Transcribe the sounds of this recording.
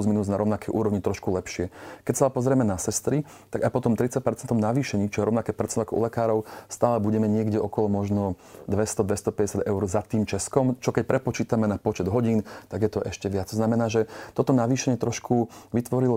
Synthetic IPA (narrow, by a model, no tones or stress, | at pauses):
uzminuːd͡znaɾɔʊnakɛjʔṵːɾɔʋɲit̪ɾɔʃkulɛpʃɪɛkɛcsalɛpɔzɾɪɛmɛnasɛst̪ɾi | t̪aɡaɪpɔt̪ɔmt̪ɾit͡sac̚pɛɾt͡sɛnt̪ɔmnaʋiːʃɛɲiːt͡ʃɔjɛɾɔʋʊnakɛːpɛɾt͡sɛnakɔʔṵlɛkaːɾɔʊst̪aːlɛbuɟɛmɛɲɪɛɡɟɛʔɔkɔlɔmɔʒnɔ | d̪ʋɛst̪ɔd̪ʋɛst̪ɔpɛɟɛsjad̪ɛʊɾzat̪iːmt͡ʃɛskɔmt͡ʃɔkɛc̚pɾɛpɔt͡ʃiːt̪amɛnapɔt͡ʃɛd̪ɦɔɟiːnt̪aɡjɛt̪ɔʔɛʃcɛʋɪat͡st̪ɔznamɛnaːʒɛt̪ɔt̪ɔnaʋiːʃɛɲɪɛt̪ɾɔʃkʰuʋit̪ʋɔɾilɔ